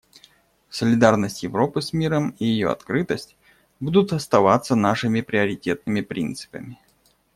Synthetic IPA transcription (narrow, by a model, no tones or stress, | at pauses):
səlʲɪd̪arnəsʲtʲjɪvɾo̞pɨsmʲiɾəmijɪjo̞̰ɐ̰t̪kɾɨt̪əsʲtʲ | bud̪ʊt̪ɐst̪ɐvat̪sənaʂɨmʲɪpɾʲɪəɾʲɪtʲe̞t̪̚nɨmʲɪpɾʲint̪sɨ̥pəmʲɪ